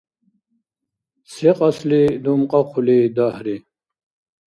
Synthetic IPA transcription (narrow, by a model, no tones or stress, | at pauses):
seqɑslid̪umqɑqʰulid̪ahɾi